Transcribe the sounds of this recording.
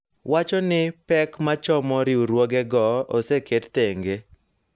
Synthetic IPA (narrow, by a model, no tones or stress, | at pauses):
wʔat͡ʃɔnɪpɛkmat͡ʃɔmɔɾɪuɾwoɡɛɡɔosekett̪eŋɡe